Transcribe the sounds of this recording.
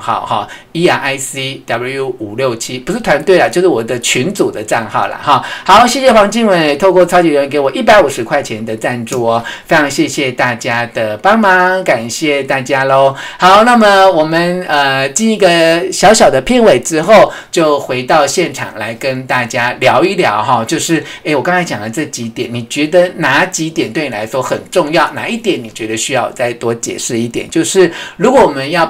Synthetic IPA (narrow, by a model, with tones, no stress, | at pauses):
xɑ̰˥˩ʊxɑ̰˥˩ | i˥a˨˩ʔa˥ɪsi˥d̪a˨˩blu˥˧ju˥˩u˨˩ljo˥˩ʊt͡ɕʰi˥pu˧˥ʂɻ̩˥˩t̪ʰwa˧˦nt̪we˥˩ɪlə˩t͡ɕjo˥˧ʊʂɻ̩˥˩wɔ˨˩d̪ə˦t͡ɕʰy˧˥nt͡su˨˩d̪ə˦t͡sa˥˧nxɑ̰˥˩ʊlɐ̰˨˩xɑ˥˦xɑ˧˦ʊɕjɛ˥˩ɕjɛ˥˩wɑ˧˥ŋt͡ɕi˥˧ŋwə˨˩nt̪ʰo˥˧ʊkwɔ˥˩t͡sʰɑ˥ʊt͡ɕi˨˥ɻə˧˥ŋk̬e˧˥ɪwɔ˨˩ʔi˥˩pa˧˥ɪu˨˩ʂɻ̩˧˥kʰwa˥˩ɪt͡ɕʰjɛ˧˦nd̪ə˧t͡sa˥˧nʈ͡ʂu˥˧ɔ˨˦fe˥ɪʈ͡ʂʰɑ˧˥ŋɕjɛ˥˧ɕjɛ˥˧t̪a˥˩t͡ɕja˥d̪ə˨pɑ˥ŋmɑa˧˦ŋka˨˩nɕjɛ˥˧t̪a˥˩t͡ɕja˥lo˧˥xɑ˧˦ʊna˥˩mə˨wɔ˨˩mə˨nə˧t͡ɕi˥˧ni˥ɡə˨ɕjɑ˧˥ʊɕjɑ˨˩ʊd̪ə˦pʰi˥˩nwe˨˩ɪʈ͡ʂɻ̩˥xo˥˩ʊ | t͡ɕjo˥˩ʊxwe˧˥ɪt̪ɑ˥˧ʊɕjɛ˥˩nʈ͡ʂʰɑ̰˨˩ŋla˧˥ɪkə˦nt̪a˥˩t͡ɕja˥ljɑ˧˥ʊi˥˩ljɑ̰˧˥˦ʊxɑ˥˧t͡ɕjo˥˧ʊʂɻ̩˥˩e˥˩ɪwɔ˨˩kɑ˥ŋt͡sʰa˧˥ɪt͡ɕjɑ˨˩ŋlə˦ʈ͡ʂɤ˥˩t͡ɕi˧˥t̪jɛ˨˩˦nni˨˩t͡ɕɥɛ˧˥d̪ə˧na˧˥t͡ɕi˧˥t̪jɛ˨˩nt̪we˥˩ni˨la˧˥ɪʂwɔ˥xə̰˨˩nʈ͡ʂʊ˥˧ŋjɑ˥˩ʊna̰˧˦i˥˩t̪jɛ˨˦nːi˨˩t͡ɕɥɛ˧˥d̪ə˧ɕy˥jɑ˥˧ʊt͡sa˥˩ɪt̪wɔ˥t͡ɕjɛ̰˨˩ʂɻ̩˥˧i˥˩t̪jɛ̰˨˩˦nt͡ɕjo˥˧ʊʂɻ̩˥˩ɻu˧˥kwɔ˧˥wɔ˨˩mə˦njɑ˥˩ʊ